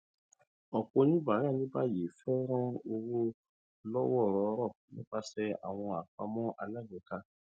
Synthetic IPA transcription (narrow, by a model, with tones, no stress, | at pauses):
ɔ˨k͡po˧nĩ˦ba˨˦ɾa˦˨nĩ˦ba˦˨je˨fɛ˦ɾ̃ɔ̃˦o˧wo˦ | lɔ˦wɔ˦˨ɾɔ˨˦ɾɔ˦˨nĩ˦ba˦sɛ˦a̰˨w̃ɔ̃˧a˨k͡pa˧mɔ̃˦ʔa˧la˦˨ɡe˨ka˧